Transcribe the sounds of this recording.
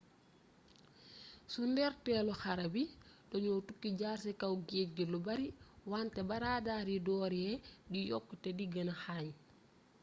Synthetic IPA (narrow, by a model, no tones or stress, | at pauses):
sundɛɾtɛːlɔxaɾɐbidɔɲɔtukːiɟaːrsɛkawɡeːt̚ɡilubɐɾiwantɛbaɾadaːɾidɔːɾɛdijɔkːutɛdiɡɐnaxaɲ